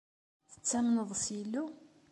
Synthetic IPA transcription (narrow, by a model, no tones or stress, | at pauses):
θə̥t͡sːæmnəðˤsilːu